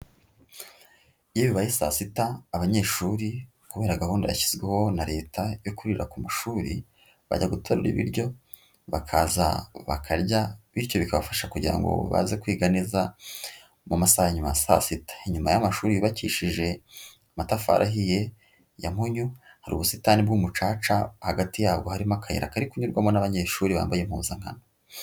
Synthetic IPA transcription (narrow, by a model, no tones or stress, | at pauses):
jeβiβajisa̰sitaːβaɲe̞ːʃuɾi | kuβe̞ːɾaɡahuːndaβa̰çi̥zɡweho̞naɾe̞ːtʰajokuɾiɾakumaʃuːɾi | βa̰ɟaɡutʰoɾuɾḭβḭɾɟo̞ | βakʰaːza̰βa̰kʰaɾɟaβiɾco̞βikaβafaʃakuɟiɾa̰ŋɡo̰βa̰zekwiːɡaniza | mumasahaɲumasa̰sitḁiɲumajamaʃuːɾiiβaciʃiʒe̞ | matafa̰ɾʔa̰ɦije̞ | jamhuɲu | haɾṵːβusitanibɡuːmut͡ʃaːt͡ʃahaɡatijaːbɡohaɾimakʰajḛɾa̰kaɾikuɲuɾɡwamonaβaɲeːʃuːɾiβa̰ːmbajem̥huːnzaŋ̥ha̰no